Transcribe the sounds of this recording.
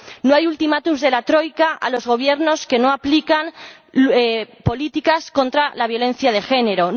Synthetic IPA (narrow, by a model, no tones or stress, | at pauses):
noajult̪imat̪uzðe̞lat̪ɾo̞jkaʔa̰lo̞zɣ̞o̞β̞je̞ɾno̞ske̞no̞aplikan | epo̞lit̪ikasko̞nt̪ɾalaβ̞jo̞lẽ̞nθjað̞e̞xe̞ne̞ɾo̞